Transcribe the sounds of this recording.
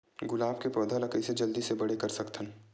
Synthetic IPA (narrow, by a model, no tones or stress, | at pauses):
ɡʊlaːb̚kepɾoːd̪ʱəlɐkəised͡ʒɐld̪isebɐɽekɐɾsɐkt̪ʰən